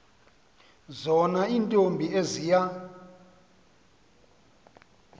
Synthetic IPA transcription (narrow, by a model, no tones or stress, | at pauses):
zɔnaintʼombʱiezija